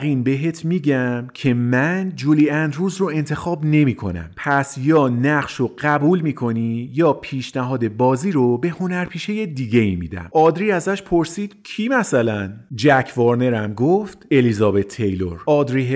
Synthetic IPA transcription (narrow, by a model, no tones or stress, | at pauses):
ɣiːnbe̞ɦe̞t̪ʰmiːɟæmcʰe̞mænd͡ʒuliːænd̪ɾuːzroe̞nt̪ʰe̞xɒːbne̞miːkʰo̞̰næ̰mpʰæsjɒːnæʁʃoɢæbuːlmiːkʰo̞nijɒːpʰiːʃnæɦɒːd̪e̞bɒːziːɾobe̞ho̞næɾpʰiːʃe̞je̞d̪iːɟe̞imḭːd̪æ̰mɒːd̪ɾiːæzæʃpʰo̞ɾsiːd̪̥cʰiːmæsælænd͡ʒæcʰvɒɾne̞ɾæmɡoft̪e̞lizɒːbe̞t̪ʰːejlo̞̰ɾɒːd̪ɾiːɦ